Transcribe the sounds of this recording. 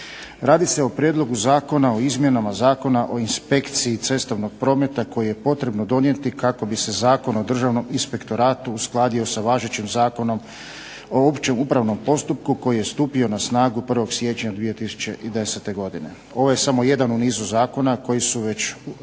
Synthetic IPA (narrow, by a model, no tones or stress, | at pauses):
ɾaːd̪ise̞o̞pɾjed̪lˠo̞ɡuzaːko̞naoizmje̞namazaːko̞naʔo̞inspekt̪siit̪e̞st̪aʋno̞ɡ̥̚pɾo̞ːme̞t̪ako̞jije̞po̞t̪ɾe̞bnod̪o̞nje̞t̪ikako̞bise̞zaːko̞no̞d̪r̩ʒaʋno̞minspe̞kt̪o̞ɾaːt̪uːsklˠaːd̪io̞saʋaːʒet͡ɕimzaːko̞no̞m | o̞opt͡ɕe̞muːpɾaʋno̞mpo̞st̪up̚kuko̞jije̞st̪uːpio̞nasnaːɡupr̩ʋo̞ɡsʋje̞t͡ʃɲad̪ʋije̞t̪isu̥t͡ɕe̞ʔid̪e̞set̪e̞ɡo̞d̪ine̞̰ | o̞ʋoje̞samo̞je̞d̪anuniːzuzaːko̞nako̞jisuʋe̞t͡ɕ